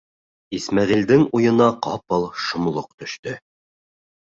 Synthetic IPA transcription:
ismɑʁild̪ɘŋujɤ̆nɑqɑpɤlˠʃŏmlˠoqt̪ɵ̆ʃt̪ɵ

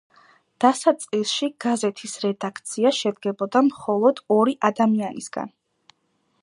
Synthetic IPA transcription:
d̪̥asat̪sʼlisˠʃiɡ̥azɛt̪ʰisɾɛd̪akʰt̪sʰiaʃɛd̪ɡɛbɔd̪amχɔlˠɔd̪̥ɔɾiʔad̪amianḭsɡ̥a̰n

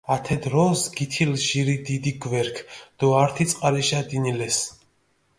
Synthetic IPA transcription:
at̪ʰɛd̪ɾɔsɡit̪ʰilʒiɾid̪id̪iɡvɛɾkʰd̪̥ɔaɾt̪ʰit̪sʼqʼaɾɛʃad̪inilɛs

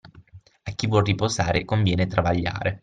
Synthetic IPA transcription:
akːivwɔrripozaːɾekoɱvjɛːnet̪ɾavaʎːa̰ːɾe

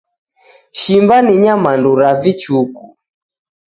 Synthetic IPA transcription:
ʃimbaniɲamanduɾavit͡ʃuku

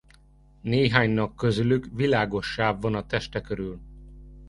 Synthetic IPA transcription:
neːɦaːɲnɒkːø̞zylykʋilaːɡo̞ʃːaːbvɒnɒt̪ɛʃt̪ɛkøɾyl

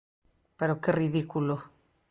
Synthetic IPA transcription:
peɾokeriðikulo

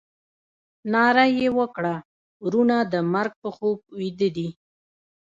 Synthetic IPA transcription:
nɑɾajewəkɽa | ɾunad̪əmaɾɡ̚pəxob̚wid̪əd̪i

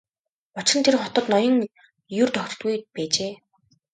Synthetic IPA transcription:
ɔt͡ɕə̆nt̪ʰeɾ̆ŋχɔt̪ɞ̆t̪nɔjɞ̆ŋ | jʊrt̪œxʲr̥̆t̪ɣujpæːt͡ɕeː

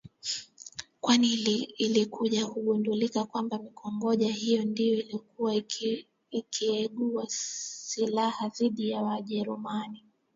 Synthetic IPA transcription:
kwaniliːlikʰuʄahuɠundulikakwambamikɔŋɡɔʄahijɔndijɔilikuwa | ikʰiɛɠuwasilahaðiɗijawaʄɛɾumani

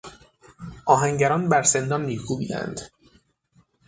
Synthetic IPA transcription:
ʔɒːɦæŋɟæɾɒːnbæɾse̞nd̪ɒːnːiːkʰuːbiːd̪æ̰nd̪̥

